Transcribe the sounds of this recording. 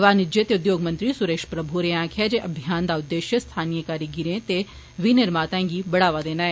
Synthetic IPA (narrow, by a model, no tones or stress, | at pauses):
ʋaːnɪd͡ʒet̪eʊd̪joːɡmɐ̃nt̪ɾisʊɾeːʃpɾɐbʱuɾeãːkʰad͡ʒeʔɐbʱijaːnd̪aːʊd̪ːeːʃjəst̪ʰaːnijəkaːɾiɡɪɾẽt̪e | ʋinɪɾmaːt̪ãɡibɐɽaːʋaːd̪eːnaːeː